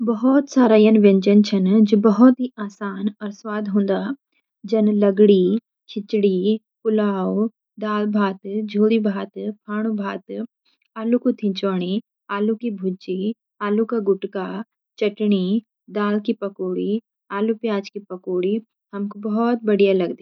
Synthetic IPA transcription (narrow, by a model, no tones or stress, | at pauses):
bɐɦɔt̪saːɾajɐnʋẽɲd͡ʒənt͡ʃʰɐnd͡ʒobɐɦɔt̪ɦiaːsaːnɔːɾswaːd̪ʱɦõːnd̪aː | d͡ʒɐnlɐɡɽi | t͡ʃʰɪt͡ʃɽi | pʊlaːo | d̪aːlbʱaːt̪d͡ʒʱoːɽibʱaːt̪pʰaːɽ̃ubʱaːt̪ | aːlukut̪ʰĩt͡ʃaːɽ̃i | aːlukibʱʊd͡ʒi | aːlukaɡʊʈka | t͡ʃɐʈɽ̃i | d̪aːlkipɐkoːɽi | aːlupjaːd͡ʒkipɐkoːɽi | hɐmkobɐɦɔt̪̚bɐɽijalɐɡd̪i